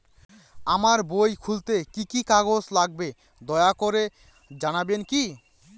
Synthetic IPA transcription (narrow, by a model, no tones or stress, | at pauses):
amaɾbojkʰult̪ekikikaɡoslaɡ̚be | d̪ɔeakoɾe | d͡ʑanabenki